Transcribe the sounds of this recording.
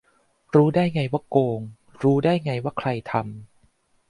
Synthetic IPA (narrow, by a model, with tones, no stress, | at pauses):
ɾuː˦˥daː˥˩jŋa˧jwaː˥˩koː˧ŋ | ɾuː˦˥daː˥˩jŋa˧jwaː˥˩kʰɾa˧jt̪ʰa˧m